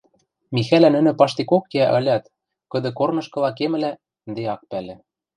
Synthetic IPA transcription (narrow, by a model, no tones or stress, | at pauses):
mixælænɘ̆nɘ̆pɑʃt̪ikokːeæʔɤ̆lʲɑt̪ | kɤ̆d̪ɤ̆kornɤ̆ʃkɤ̆lɑkemɘ̆læ | nd̪eɑk̚pælĕ